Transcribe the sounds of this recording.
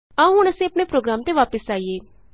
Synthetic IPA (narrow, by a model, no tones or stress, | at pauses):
aũɦʊɳəsĩːɐpɳepɾoːɡɾaːmt̪eʋaːpəsaːiːeː